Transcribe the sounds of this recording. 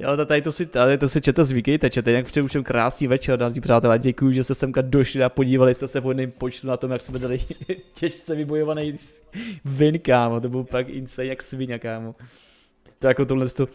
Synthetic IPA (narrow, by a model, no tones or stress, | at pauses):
ja̰t̪at̪aɪt̪osɪt̪aɪt̪osɪt͡ʃɛt̪ɛzvɪkɛjt̪ɛt͡ʃɛt̪ɛjnak̚pr̥ɛuʃɛmkɾʔa̰ːsɲiːmvɛt͡ʃɛɾdariːpr̥aːt̪ɛlɛɟɛkujuʒɛst̪ɛsɛmkadoʃlɪapoɟiːvalɪsmɛsɛvɦojɛnɪmpot͡ʃt̪unat̪o̞mjaksmɛdalɪcɛʃt͡sɛvɪbojovanɛj | vɪŋkaːmat̪obɪlpakɪ̰nt͡sɛjɲjaksvɪɲakaːmo | t̪ojakot̪̬odlɛnst̪o